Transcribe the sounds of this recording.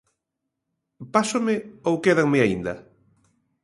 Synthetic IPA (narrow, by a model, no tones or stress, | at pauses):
pasomɪowkeðaŋmɪaind̪ɐ